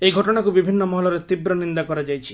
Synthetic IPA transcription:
ejɡʱɔʈɔɽ̃akubibʱinːɔmɔɦɔlɔɾet̪ibɾɔnind̪akɔɾad͡ʒajt͡ʃʰi̥

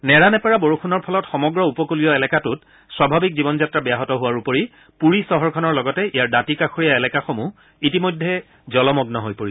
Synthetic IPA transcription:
nɛɹanɛpɛɹaboɹuxʰunɔɹpʰɔlɔtxɔmɔɡɹɔupɔkulijɔɛlɛkatʊt | swabʱabik̚zibɔnzatɹabɛjaɦɔtɔɦʊwaɹupoɹi | puɹisɔɦɔɹkʰɔnɔɹlɔɡɔtɛʔijaɹdatikakʰoɹijaɛlɛkaxomu | itimojdʱːɛ | zɔlɔmɔɡnɔɦojpoɹi

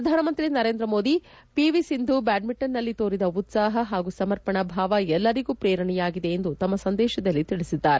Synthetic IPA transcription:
ɾɐd̪ʱaːnɐmɐnt̪ɾinɐɾeːnd̪ɾɐmo̞ːd̪i | piʋisind̪ʱubaːɖmiʈːɐnːɐlːit̪oːɾid̪ɐut̪saːɦɐɦaːɡusɐmɐɾpɐɳɐbʱaːʋɐɛlːɐɾiɡuːpɾɛːɾɐɳɛjaːɡid̪e̞ːnd̪ut̪ɐmːɐsɐnd̪ɛːʃɐd̪ɐlːit̪iɭisid̪ːaːɾe

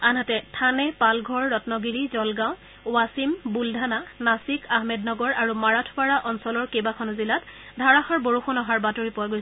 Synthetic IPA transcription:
anɦatɛtʰanɛpalɡʱɔɹːɔtnɔɡiɹizɔlɡãw̃ | wasimbuldʱananasikʰaɦmɛdnɔɡɔɹaɹumaɹatʰwaɹaʔɔnsɔlɔɹkebakʰɔnɔzilatdʱaɹaxaɹboɹuxunɔɦaɹbatoɹipʊwaɡojsɛ

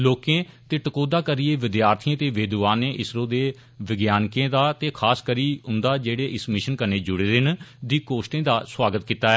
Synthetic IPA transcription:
loːkẽːt̪eːʈəkoːd̪aːkəɾieːʋɪd̪jaːɾt̪ʰiãːt̪eːʋeːd̪ʋaːnẽːʔɪsɾõːd̪eː | ʋɪɡjaːnkẽːd̪aːt̪eːkʰaːskəɾiːʊnd̪aːd͡ʒeːɽeːʔɪsmɪʃənkənːeːd͡ʒʊɽeːd̪ɪnd̪iːkoːsʈẽːd̪aːswaːɡət̪kiːt̪aːɛː

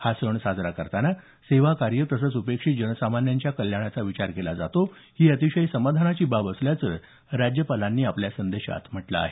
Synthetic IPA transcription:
hasəɳsad͡zɾakəɾt̪ana | seʋakaɾjəkɾəsət͡supekʂiːd͡ʑənəsamanjaɲt͡ɕjakəljaɽ̃jat͡saʋit͡ɕaɾkelad͡zat̪o | hiːət̪iɕəjsəmad̪ʱanat͡ɕiːbabəsljat͡sə | ɾad͡ʑjəpalanːiːapljasənd̪eɕa̰t̪m̤əʈla̰ːɦe

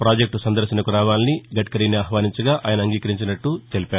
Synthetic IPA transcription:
pɾaːd͡ʒek̚ʈsɐnd̪ɐɾʃinɐkuɾaːʋaːniniɡɐʈkɐɾiːniaːɦʋaːniɲt͡ʃɐɡaːʔaːjɐnɐŋɡiːkɐɾiɲt͡ʃinɐʈːut̪elipaːɾu

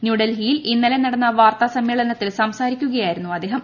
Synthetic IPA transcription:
njuːɖɐlɦijilinːɐlenɐɽɐnːɐʋaːrt̪ɐsɐmːeːɭɐnɐt̪ːilsɐmsaːɾikʲːuɣɐjaːjiɾunːuɐd̪ːe̞ːɦɐm

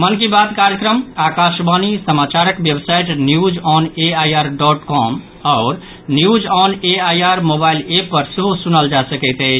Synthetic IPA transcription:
mənkibat̪kaɾjəkɾəmakaʃbanisəmat͡ʃaɾəkbjebsaiʈnjud͡ʒɔneajaɾɖɔʈkɔm | ɔːɾ | njud͡ʒɔneajaɾmobailepːəɾseɦosunəld͡ʒasəkɛɪt̪ɛɪt͡ʃʰ

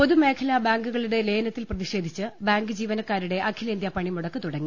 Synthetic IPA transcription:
o̞ðume̞ːkʰɐlɐbaːŋɡuɣɐɭuɽe̞leːjnɐt̪ːilprɐðiʂe̞ːd̪ʱit͡ɕːɨbaːŋɡɨd͡ʑiːʋɐnɐkːaːɾuɽe̞ʔɐkʰːilɐind̪jɐpɐɳimuɽɐkːɨt̪uɽɐŋːi

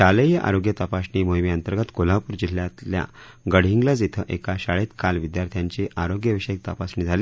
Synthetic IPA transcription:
ɕaləjəʔa̰ɾoɡjət̪apasɳiːmojmjənt̪əɾɡət̪kolapuːɾd͡ʑillːjat̪lja̰ | ɡəɽ̤ɦiŋɡlad͡zit̪ʰəʔekaɕaɭet̪kalʋid̪jaɾt̪ʰijaɲt͡ɕiʔaɾoɡjəʋiɕəjek̚t̪apasɳiːd͡zʱaliː

